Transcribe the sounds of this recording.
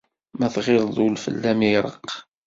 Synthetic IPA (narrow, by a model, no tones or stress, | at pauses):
mæθʁɪɾˤðˤulfə̰lːæmiɾˤə̰q